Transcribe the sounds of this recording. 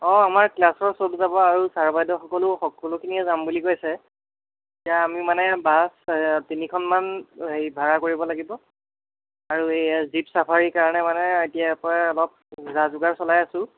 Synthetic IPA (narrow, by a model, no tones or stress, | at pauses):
ɔamaɹklasɔɹsotzabɔaɹusaɹbajdɔxɔkɔlʊxɔkɔlukʰiniɛzambulikojsɛ | tijaːmimanɛbastinikʰɔnmanɦejbʱaɹakoɹibɔlaɡibɔ | aɹuezipsapʰaɹikaɹɔnɛmanɛetijapɔaɔlɔp̚zazʊɡaɹsɔlajasʊ̃